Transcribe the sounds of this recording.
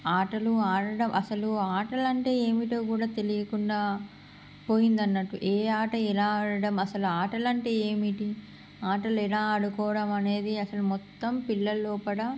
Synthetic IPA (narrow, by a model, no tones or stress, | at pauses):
aːʈɐluaːɽɐɽɐmʔɐsɐluaːʈɐlɐɳʈe̞ːeːmiʈoːkuːɽaːt̪e̞lijɐkuɳɖaː | po̞ːjind̪ɐnːɐʈuʔeːaːʈɐɛlaːɽɐɽɐmɐsɐluaːʈɐlɐɳʈe̞ːeːmiʈi | aːʈɐlɛlaːɐɽukɔːʋɽɐmɐne̞ːd̪iɐsɐlumɔt̪ːɐmpilːɐlːoːpɐɽɐ